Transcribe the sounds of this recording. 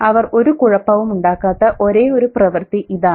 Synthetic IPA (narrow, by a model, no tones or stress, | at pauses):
ɐʋɐro̞ɾukuɻɐpːɐʋumuɳɖaːkːaːt̪ːɐʔoɾe̞ːo̞ɾuprɐʋɐrt̪iʔiðaː